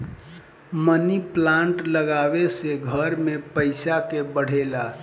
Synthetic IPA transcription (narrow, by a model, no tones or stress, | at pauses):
məniplãɳʈləɡabeseɡʱəɾmepəɪsakebəɽ̤ela